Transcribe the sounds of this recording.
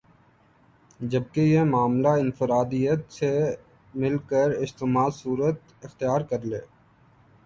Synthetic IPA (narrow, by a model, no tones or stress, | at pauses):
d͡ʒəb̚kejemaːmlaɪnfɪɾaːd̪ijət̪se | mɪlkəɾɪst̪ɪmaːsuːɾət̪ | ɪxt̪ijaːɾkɐɾlḛː